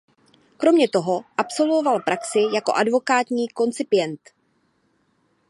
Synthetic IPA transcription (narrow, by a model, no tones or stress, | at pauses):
kɾo̞mɲɛt̪o̞ɦo̞ʔapso̞lvo̞valpɾʔaksɪjako̞̰ʔadvo̞kaːt̪ɲiːko̞nt͡sɪpɪjɛnt̪